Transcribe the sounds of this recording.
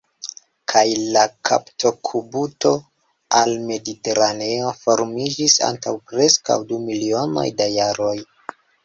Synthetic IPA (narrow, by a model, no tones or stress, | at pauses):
kʰajlakʰa̰ptʰo̞kʰubuto̞ | alme̞dite̞ɾane̞o̞fo̞ɾmid͡ʒisa̰ntawpɾe̞ska̰wdumilio̞no̞̰jdajaɾo̞j